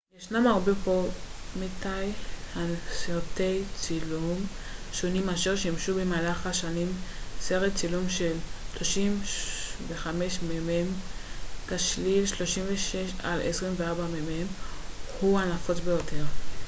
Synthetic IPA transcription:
jeʃnamaʁbepo̞metajhasiʁte̞jt͡silumʃonimaʃeʁʃeimʃubemaːlaχaʃanimse̞ʁet̚t͡silumʃelʃlo̞ʃimve̞χame̞ʃmemem | kaʃlilʃlo̞ʃimveʃeʃa̰lḛsʁimveaʁbamememhuhanafo̞t͡sbe̞jo̞te̞ʁ

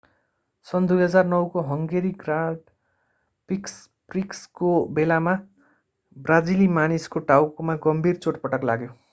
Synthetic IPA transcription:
sʌnd̪ujɦʌd͡zarnʌwkoɦʌŋɡeɾiɡraɖ | piks | prikskobelama | brad͡zilimaniskoʈawkmaɡʌmbʱirt͡soʈpʌʈʌklaɡjo

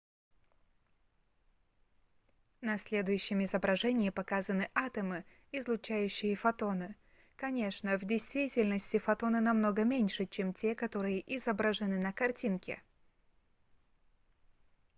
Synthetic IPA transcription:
nɐsʲlʲe̞d̪ʊjʉɕːɪmɪzəbɾɐʐɛnʲɪjəpɐkazənɨʔat̪əmɨ | ɪzlˠʊt͡ɕæjʉɕːɪjəfɐt̪o̞nɨ | kɐnʲe̞ʂnəvdʲɪjst̪vʲitʲɪlʲnəsʲtʲɪfɐt̪o̞nɨnɐmno̞ɡəmʲenʲʂɨt͡ɕe̞mtʲe̞kɐt̪o̞ɾɨjəʔɪzəbɾəʐɨnɨnəkɐrtʲinkʲɪ̰

